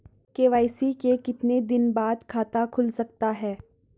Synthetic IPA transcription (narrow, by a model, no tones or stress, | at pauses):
keːʋaːɪsikekɪt̪ned̪ɪnbaːd̪kʰaːt̪akʰʊlsɐk̚t̪aɦɛː